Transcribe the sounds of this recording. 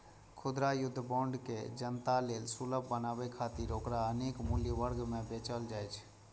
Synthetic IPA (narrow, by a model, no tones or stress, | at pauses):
kʰʊd̪ɾajʊd̪ʱːbaɳɖkḛd͡ʒənt̪alelsuləbːənabɛkʰat̪iɾokɾaənekmuljəʋəɾɡmebet͡ʃəld͡ʒajt͡ʃʰ